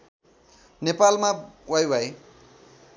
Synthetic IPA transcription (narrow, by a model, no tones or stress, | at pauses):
nepalmawajwaj